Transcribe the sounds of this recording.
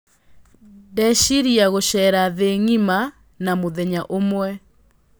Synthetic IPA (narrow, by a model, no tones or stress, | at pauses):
dɛɕiɾiaɣoɕɛɾaðeŋima | namoðɛɲaʔomwɛ